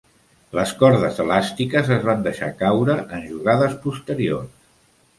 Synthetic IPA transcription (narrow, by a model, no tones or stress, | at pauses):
ləskɔɾðəzəlast̪ikəzəzβand̪əʃa̰kawɾəʔənʒuɣaðəspust̪əɾiors